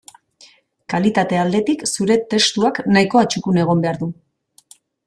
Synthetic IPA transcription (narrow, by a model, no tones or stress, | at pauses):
kalit̪at̪e̞ald̪e̞t̪iksuɾe̞t̪e̞st̪uaknajko̞at͡ʃukune̞ɣ̞o̞mbe̞aɾðu